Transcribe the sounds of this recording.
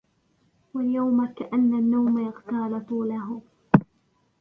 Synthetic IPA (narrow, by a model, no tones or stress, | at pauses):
waljawmakaʔanːanːawmajaɣt̪aːlɪfʊlaɦʊ